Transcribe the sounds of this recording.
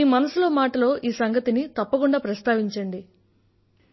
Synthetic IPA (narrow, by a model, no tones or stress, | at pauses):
iːmɐnɐsulo̞ːmaːʈɐlo̞ːʔiːsɐŋɡɐt̪init̪ɐpːɐkuɳɖaːpɾɐst̪aːʋiɲt͡ʃɐɳɖi